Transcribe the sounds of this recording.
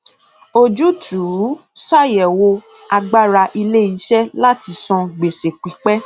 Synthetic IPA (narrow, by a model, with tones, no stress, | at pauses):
o˦d͡ʒu˦tʰu˨˦ʃa˦˨jɛ˨wo˧ | a˧ɡ͡ba˦ɾa˧ʔi˧le˦i˨˦ʃɛ˦la˦ti˧sɔ̃˧ɡ͡be˨ʃe˨k͡pi˨˦k͡pɛ˦